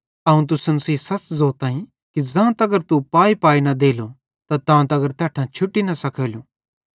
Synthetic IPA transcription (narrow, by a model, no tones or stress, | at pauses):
ɐũt̪̬ʊsənsiːsɐt͡szoːt̪ãːĩ | kid͡zãːt̪ɐɡəɾt̪upaːipaːinɐd̪eːlo | t̪at̪ãːt̪ɐɡəɾt̪ɛːʈʰãt͡ʃʰʊʈːinɐsɐkʰeːluː